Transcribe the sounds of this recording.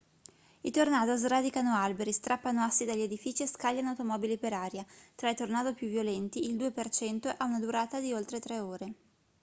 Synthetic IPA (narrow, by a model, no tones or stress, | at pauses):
it̪ornaːd̪ozrad̪ikanoalbeɾist̪ɾapːanoasːid̪aʎːed̪ifit͡ʃieskaʎːanawt̪omɔːbilipeɾaːɾjat̪ɾait̪ornaːd̪opjuvːjolɛnt̪iːld̪uepert͡ʃɛnt̪oʔaunad̪uɾaːt̪ad̪iolt̪ɾet̪ɾɛoːɾe